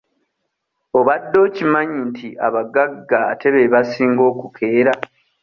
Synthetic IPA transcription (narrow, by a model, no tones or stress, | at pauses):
o̞βadːo̞ːcimaɲintʰiʔa̰βaɡaɡa̰ːtʰe̞βeβasiːŋɡo̞ːkukʰe̞ːɾa